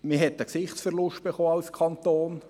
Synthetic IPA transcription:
mɪɦɛtəksɪχtsfɛrlʊʃt̚b̥eχoːɑlskʰɑnt̪oːn

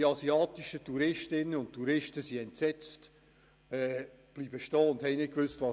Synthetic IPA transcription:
iɑsiɑːt̪iʃətʰuɾɪʃtɪnːəʊntʰːuɾɪʃtəsiɛntsɛt͡st | ɛː | b̥liːb̥əʃtɔːʊndhɛjnɪt̚kʋʏstvɑ

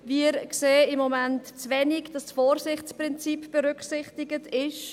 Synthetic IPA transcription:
viəɾkseːɪmːɔmɛntt͡svɛniɡd̥ɑsfɔːɾsɪχt͡spɾɪnt͡sipb̥əɾʏkχsɪχtɪɡətʰɪʃ

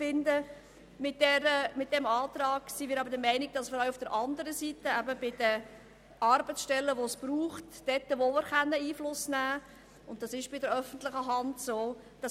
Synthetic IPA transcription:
fɪndə | mɪt̚d̥ɛɾəmɪt̚d̥ɛmɑːtɾɑːɡ̥simɪːɾɑbəɾdəmɛɪnɪɡ̚d̥ɑsfəɾɑʊufd̥əɾʔɑndəɾəsitəæbəb̥ɪd̥ə | ʔɑɾbət͡sʃtɛlːəʋosb̥ɾuːχtd̥ɛt̪ːəʋomɪːɾχænːəiːflʊsnæː | ʊnt̚d̥ɑsɪʃb̥ɪdəɾœfən̩tlɪχəɦɑntsoː | d̥ɑ

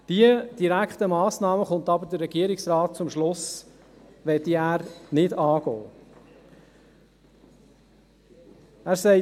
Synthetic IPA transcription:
d̥iəd̥iɾækχtəmɑːsnɑːməχʊnt̪ɑbədəɾːɛɡiəɾiksɾɑːt̚t͡sʊmʃlʊs | ʋɛtiæːɾnɪdɑːɡo̰ː | æːɾsɛɪ

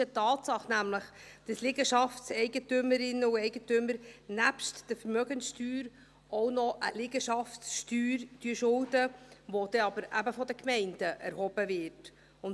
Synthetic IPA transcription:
ətɑːtsɑχnæmləχ | d̥əslɪɡəʃɑftsɛɪɡətʏməɾɪnəuɛɪɡətʏməɾnæpʃtd̥əfəɾmœɡənsʃtyːɾ | ɔwnɔʔə̰lɪɡəʃɑftsʃtyːɾd̥yʃʊldəʋɔd̥̪ɛɑbəɾæbəfɔd̪əkmɛɪnd̥əʔɛ̰ɾhɔb̥əvɪt | ʊn

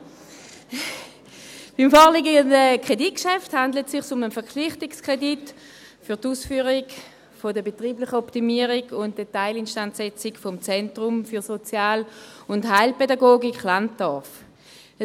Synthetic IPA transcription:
b̥imfɔːʁliɡəəndəkʁ̥edit̚kʃɛfthandlətsɪχsʊmənfɛɐkʰlɪχtɪkskʁedit | fyɐtuːsfyːʁiɡ | fodəbetʁiːblɪχəɔptimiəʁiɡʊnt̚d̥etaɪlɪnʃtantsɛt͡sɪɡfɔmt͡sɛntʁʊmfyɐsot͡sjaːlʊnthaɪlpedaɡoːɡikχlant̚d̥ɔɐf

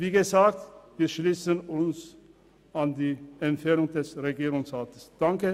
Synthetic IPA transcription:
viːɡəzaːk̚tviːɐʃliːsənʊns | andiːɛmfɛɐnʊŋdɛsʁeɡiːʁʊŋsʁaːtə̥sd̥aŋkə

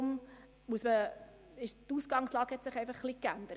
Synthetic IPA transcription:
m | muəsmə | ɪʃtusɡ̥ɑŋslɑːɡhɛtsɪχɛɪfɑχːlikænd̪əɾə

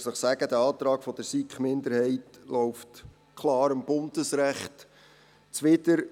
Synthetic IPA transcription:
səχsæɡ̥əd̪æɑːt̪ɾɑːɡfɔd̥əɾsikχmɪndəɾhɛɪtlɔʊft | kʰlɑːɾəmb̥ʊndəsɾæχt | t͡sʋɪtəɾ

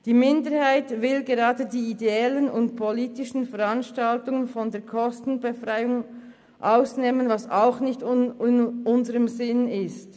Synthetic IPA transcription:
d̥iːmɪndəɾhaɪtvɪlɡeʁɑːdədiːideɛlənʊntpʰoliːtɪʃn̩fɛɾɑnʃtaltʊŋənfɔndeːɐkʰɔstn̩befʁaɪʊŋ | ʔaʊsneːmənvɑsaʊxnɪçtɪnʔʊnzəʁəmzɪnɪst

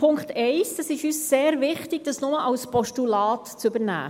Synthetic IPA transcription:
ʊŋkt̪ʰɛɪsd̥ɑsɪʃyːsːeːɾvɪχtɪɡ̥̚d̥ɑsnʊməʔɑwspɔʃtulɑːtt͡søbəɾnæ̰ː

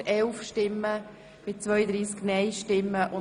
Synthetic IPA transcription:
ɛlfʃtɪmːə | b̥ɪt͡sʋœjəd̪ɾiːsknɛjʃtɪmːəʔʊ

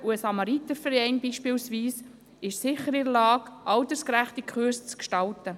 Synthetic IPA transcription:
uəsɑmɑɾit̪əfəɾɛɪnbiːʃpiːlsʋiːs | ɪʃsɪχəɾɪdəlɑːkʔɑltəskɾæχtikʰχʉst͡skʃtɑltə

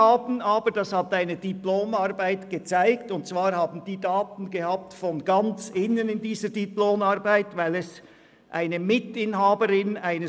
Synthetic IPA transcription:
aːbn̩aːbəɾd̥ɑshataɪnəd̥iploːmaʁbaɪtɡ̥ət͡saɪktʊntt͡sv̥aːɾhaːbn̩diːdaːtn̩ɡehaːp̚tfɔnɡant͡sɪnənɪndiːzədiploːmaɾbaɪtvaɪlɛs | ʔa̰ɪnəmɪtɪnɦaːbəɾɪnaɪnə

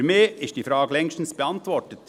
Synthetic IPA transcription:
meːɪst̚d̥iːfɾɑːɡəlɛŋʃtn̩sb̥ɛɑntʋɔɹtət

